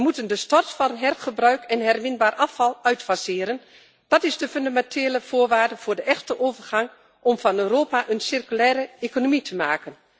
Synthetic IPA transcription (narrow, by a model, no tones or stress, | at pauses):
əmutəndəstɔrtfɑnɦɛrχəbrœɥkɛnɦɛrmɪnbaːrʔɑfɑlˠœɥtfasɪːɾən | d̥ɑtɪzdəfʏndamɛntʰeːləv̥ʊːɹʋaːrdəv̥ʊːɹdəʔɛxtəʔoːvərχɑŋ | ʔɔmv̥ɑnøːroːpaʔənsɪrkylɛːɾəekonomitʰəmaːkən